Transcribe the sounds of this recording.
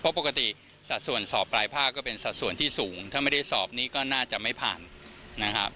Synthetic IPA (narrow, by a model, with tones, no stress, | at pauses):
pʰɔ˦˥po˨˩ka˧t̪i˨˩ | sa˨t̪̚su˨˩ənsɔː˨˩p̚ːlaː˧jpʰaː˥˩kːɔː˥˩pe˧nsa˨t̪̚su˨˩ənt̪ʰiː˥˩suː˩˦ŋt̪ʰaː˥˩ma˥˩jda˥˩jsɔː˨˩p̚niː˦˥kɔː˥˩naː˥˩t͡ɕa˨˩ʔma˥˩jpʰa̰ː˨˩nːa˦˥kʰɾa˦˥p̚